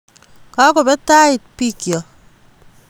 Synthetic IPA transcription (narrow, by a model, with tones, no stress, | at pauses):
ka˦ko˨be˦ta˦ɪ˨t̚pi˦kjɔ˨